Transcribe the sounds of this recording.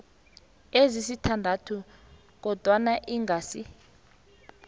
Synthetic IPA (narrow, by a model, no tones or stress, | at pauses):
ezisitʰandʱatʰu | k̬ɔd̥ʱwanaʔiŋɡʱaːsi